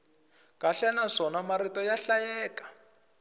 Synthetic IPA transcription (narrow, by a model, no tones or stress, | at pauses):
kaɬɛnaʂɔnamaɾitɔjaɬajɛːkḁ